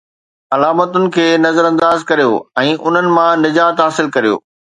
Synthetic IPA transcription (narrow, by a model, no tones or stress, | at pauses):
ɐlaːmət̪ʊnɪ̆kʰeːnɐzəɾɐ̃nd̪aːzkɐɾijo̰ːɛ̃ːʔʊn̤ənɪ̆mãnɪd͡ʑaːt̪ɦaːsɪlkɐɾijo̰ː